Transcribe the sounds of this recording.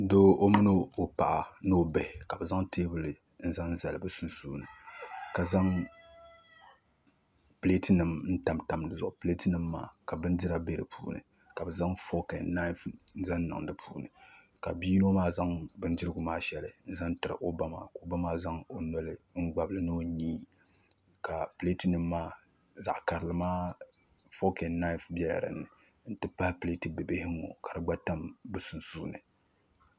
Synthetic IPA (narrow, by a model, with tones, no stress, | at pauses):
do˦ʔo˦mɨ˦no˦o˨pa̰˨ʔa˨no˦˨bɛ˨hka˨bɨ˨za˦ŋteː˦bɨ˦lɨ˨ | n̩˦za˦ŋn̩˦za˨lɨ˨bɨ˦su˦nsuː˦nɨ̰˨ka˨za˦ŋ | ple˦tɨ˦nɨ˨mn̩˦ta˨mta˨mdɨ˨zʊ˨ʔʊ˨ple˦tɨ˦nɨ˦mːa̰ː˨ka˨bɨ˦ndi˦ɾa˦be˦ɾɨ̰˨pʰṵː˦nɨ̰˨ | ka˨bɛ˨za˦ŋfo˦ka˨na˦za˦nː˦a̰˨ŋdɨ˦pʰuː˦nɨ̰˨ka̰˨biː˦no˦maː˦za˦ŋbɨ˦n˦dɪ˦ɾɨ˦ɡʊ˨maː˦ʃɛ˦lɨ˨n̩˦za˦ntɨ˨ɾɨ̰˨ʔo˦ba˦ma̰ː˨ko˨˦ba˦maː˦za˦ŋo˨nɔ˦lɨ˦ŋ̩˦ɡ͡ba˨blɨ˨nɨ˦o˦ɲiː˦ | ka˨ple˦tɨ˦nɨ˦mːaː˦ | za̰˨ʔka˨ɾɨ˨lɨ˨maː˦ | fo˦kɛ˨nna˦ɪ˦fbɛ˦ja̰˨ɾɨ̰˨nɨ˨ | n̩˦tɨ˦pa˦hɪ˦ple˦tɨ˨bɨ˨bɪ˦hɪ˦ŋo̰˨ka˨ɾɨ˨ɡ͡ba˦ta˦mbɨ˦su˨nsuː˦nɨ˨